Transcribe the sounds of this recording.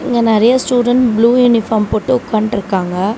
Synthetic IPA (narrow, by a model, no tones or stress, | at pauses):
ɪŋɡɐnɛɾɐjɐsʈuːɖɐɳʈbluːjuːnɪfaːɾmpoːʈːɯkːaːɳʈɪɾɯkːaːŋɡɐ